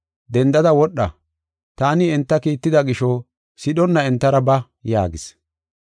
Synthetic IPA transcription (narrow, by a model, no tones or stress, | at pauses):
d̪ɛnd̪ɐd̪ɐwɔɗːɐ̰ | t̪aːnɪɛnt̪ːɐkiːt̪ːɪd̪ɐɡɪʃɔ | sɪɗɔnːɐɛnt̪ːɐɾɐbɐ | ja̰ːɡɪs